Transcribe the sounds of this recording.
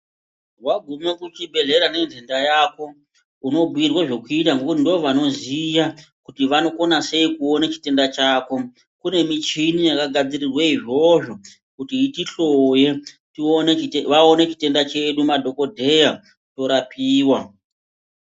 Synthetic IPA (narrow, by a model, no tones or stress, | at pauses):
waɡʱumekut͡ʃibʱe̞ɮe̞ɾane̞nd͡ɮendajako̞ | uno̞bʱuirwaʐe̞kuitaŋɡo̞kutindiʋoʋano̞zija | kutiʋano̞ko̞nase̞ikuo̞nat͡ʃi̥te̞ndat͡ʃaːko̞ | kune̞mit͡ʃinijakaɡʱad͡zirirweiʐo̞ʐo̞ | kutiitiɬoje̞ | tioneʋaonet͡ʃi̥te̞ndat͡ʃe̞ɗumadʱo̞ko̞dʱe̞ja | to̞ɾapiːwa